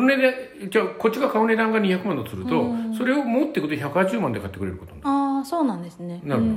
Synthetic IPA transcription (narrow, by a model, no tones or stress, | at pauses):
oned̪et͡ɕako̞t͡ɕːiɡakaone̞d̪ãŋɡaɲ̟içakɯ̟mãnot͡sɨɾɯ̟t̪o̞so̞ɾe̞o̞mot̪ːe̞kɯ̟t̪çakɯ̟haʑɨːmãnd̪ekat̪ːe̞kɯ̟ɾe̞ɾɯ̟kot̪onãndaːsoːnãnd̪esɨnenaɾɯo